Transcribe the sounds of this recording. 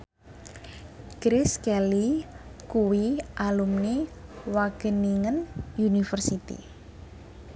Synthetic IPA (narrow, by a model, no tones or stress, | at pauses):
ɡ̥ɾɪskɛlikuwiʔalumniwaɡ̥əniŋənjunifərsit̪ḭ